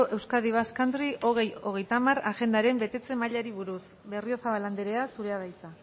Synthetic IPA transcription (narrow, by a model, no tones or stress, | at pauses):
oʔe̞wskaðiβ̞askand̪ɾiʔo̞ɣ̞e̞jo̞ɣ̞e̞jt̪amaraʝe̞nd̪aɾe̞mbe̞t̪e̞t͡se̞maʎaɾiβ̞uɾus | βe̞rio̞saβaland̪eɾe̞asuɾe̞að̞ajt͡sa